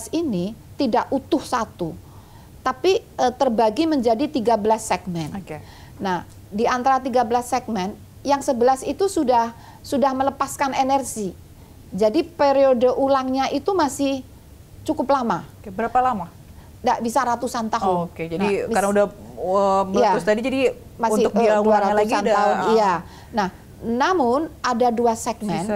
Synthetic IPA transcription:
asinit̪idaʔut̪ʊhsat̪u | t̪apiət̪ərbaɡiməɲd͡ʒadit̪iɡabəlasːɛɡ̚mɛnke | nah | diant̪aɾat̪iɡabəlasːɛɡ̚mɛn | jaŋsəbəlasit̪usudah | sudahmələpaskanenɛrɡi | d͡ʒadipeɾiodəʔulaŋɲaʔit̪umasɪh | t͡ʃukʊplamakbəɾapalama | ndaʔbisaɾat̪usant̪aɦʊnked͡ʒadikaɾnaudaəməjaʊst̪adid͡ʒadi | masɪt̪ʊkaduaɾalaɡuisandaaɦʊnija | nahː | amʊnʔadaduasɛk̚mɛn

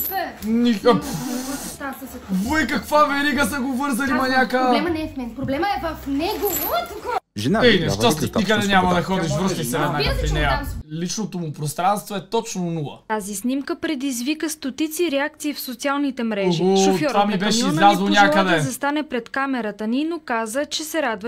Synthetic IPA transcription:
nikk | t̪avɔikɐkvavɛɾiɡəsɐɡovɤɾzɐlimɐnʲakəlɛmnɛɛfmɛnpɾoblɛməɛvɐfnɛɡoɔt̪ukəʒɛinɛʃʃt̪oikəd̪ɛnʲamɐd̪ɐxɔd̪iʃvəst̪isɛvɛd̪nakfinɛjɐlit͡ʃnot̪omupɾost̪ɾanst̪voɛt̪ɔt͡ʃnonulˠə̰t̪azisnimkəpɾɛd̪izvikəst̪ot̪it̪siːɾɛak̚t̪siːfsot̪sialˠnit̪ɛmɾɛʒioʃoftɔɾvamibɛʃɛizlʲazlˠonʲakəd̪ɛzɐst̪anɛpɾɛt̪kamɛɾət̪əninokazət͡ʃɛsɛɾad̪və

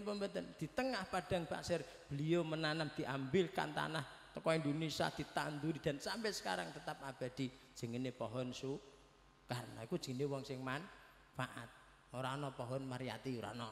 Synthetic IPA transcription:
pəmbət̪ənd̪̥i̤t̪əŋahpaɖ̥a̤ŋpa̰sɪr | b̥əliomənanamd̪̥i̤ʔambɪlka̰nt̪a̰nah | t̪əkɔind̪onisa̰d̪̥i̤t̪a̰nd̪uɾid̪̥a̤nsampɛsə̥ka̰ɾa̰ŋt̪ət̪ap̚ab̥a̤d̪̥i̤̥ | ʒ̥əŋənepɔɦɔnsu | kaɾənaikud̥ʒ̥əŋnewɔŋsɪŋman | faʔa̰t̪̚ | oɾanɔpɔɦɔnmaɾija̰t̪iuɾa̰nɔ

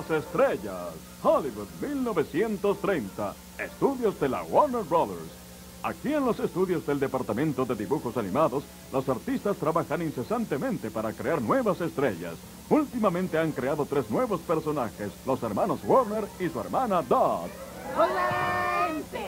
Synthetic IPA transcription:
sest̪ɾeʝas | xoliβud̪̚milno̞βe̞sje̞nt̪o̞st̪ɾe̞jnt̪a̰ | e̞st̪uðjo̞zðe̞la̰woɾneɾbolḛɾs | akie̞nlo̞se̞st̪uðjo̞zðeld̪epaɾt̪amẽnt̪o̞ðe̞ðiβuxo̞sanimaðo̞s | lo̞saɾt̪ist̪ast̪ɾaβaxaninse̞sant̪e̞mẽ̞nt̪e̞paɾakɾe̞aɾnwe̞βase̞st̪ɾe̞ʝa̰s | ult̪imamẽnt̪e̞aŋkɾeaðo̞t̪ɾe̞znwe̞βo̞spe̞ɾso̞naxe̞slo̞se̞ɾmano̞zwoɾneɾisue̞̰ɾmanad̪ad̪ | o

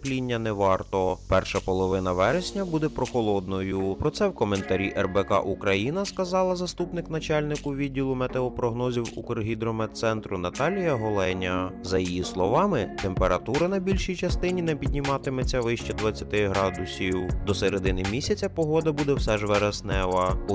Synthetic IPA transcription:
plʲinʲːɐnɛʋɑrt̪ɔpɛrʃɐpɔlˠɔʋɪnɐʋɛɾesʲnʲɐbud̪ɛpɾɔxɔlˠɔd̪nɔjʊpɾɔt̪sɛwkɔment̪ɐɾʲiʔɛrbɛkɑ̰ʔukɾɐjinɐskɐzɑlˠɐzɐst̪upnɪknɐt͡ʃɑlʲnɪkʊʋʲidʲːilˠʊmet̪eɔpɾɔɦnɔzʲiwukrɦʲid̪ɾɔmɛt̪sɛnt̪ɾʊnɐt̪ɑlʲijɐɦɔlˠɛnʲɐzɐjijislˠɔʋɑmɪt̪empeɾɐt̪uɾɐnɐbʲilʲʃijt͡ʃɐst̪ɪnʲinɛpʲid̪ʲnʲimɑt̪ɪmet͡sʲɐʋɪʃt͡ʃɛd̪ʋɐt͡sʲːɐt̪ɪɦɾɑd̪ʊsʲiwd̪ɔseɾed̪ɪnɪmʲisʲɐt͡sʲɐpɔɦɔd̪ɐbud̪ɛwsɛʒʋɛɾɐsnɛʋɐ

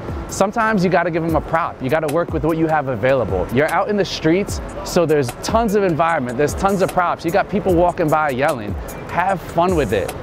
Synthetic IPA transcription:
sʌ̃mtʰãɪ̃mzjɨɡɑɾɨɡɪvɨ̃məpʰɹ̥ɑpjɨɡɑɾəwɜ˞kwɨðwʌt͡ʃɨəvəveɪlˠəbl̩ˠjə˞ʔaʊɾɨ̃nðɨstɹ̥itsːoʊðə˞ztʰʌ̃nzʌvɨ̃ɱvaɪɹɨ̃nmɨ̃nðə˞z̥tʰʌ̃nzʌv̥pʰɹ̥ɑpsjɨɡɑt̚pʰipl̩ˠwɔkɪ̃ŋbaɪjɛlˠɪ̰̃n | ɨv̥fʌ̃nwɪðɪ̰t̚

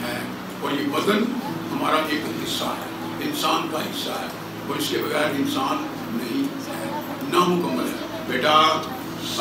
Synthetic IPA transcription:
ɦɛː | koːjiʋɐd̪ənɦɐmaːɾaʔeːkɦɪsːa̰ɦɛ̰ː | ɪnsaːnkaɦɪsːaɦɛː | koːɪsebɐɣɛːɾɪnsaːnː | ɐɦĩ | ɦɛː | nɐɦõkəməlḛ̃ | beːʈʰa

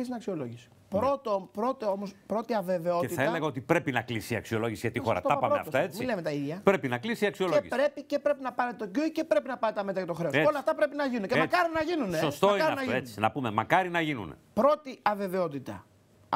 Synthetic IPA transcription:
isinɐksio̞loʝisi̥ | pɾot̪opɾo̞t̪eo̞mospɾo̞t̪iɐve̞ve̞o̞eitθɐeleɣɐo̞t̪ipɾe̞pinɐklisiɐ̰ksio̞lo̞ʝisiʝɐt̪ixo̞̰ɾɐ̰tɐpɐmoeɐ̰ft̪ɐet͡smiilemet̪ɐiðʝɐpɾe̞pinɐklisiɐksio̞loeʝispɾe̞pice̞pɾe̞pinɐpɐnet̪o̞ɟuice̞pɾe̞pinɐpɐnet̪ɐme̞t̪ɾɐjɐt̪oxɾe̞seolɐft̪ɐpɾe̞pinɐʝinuneceɐkɐɾinɐʝinunesost̪oɐiɾnɐʝet͡si̥nɐpumemɐkɐɾinɐʝinṵnpɾo̞t̪iɐve̞ve̞o̞t̪it̪ɐ

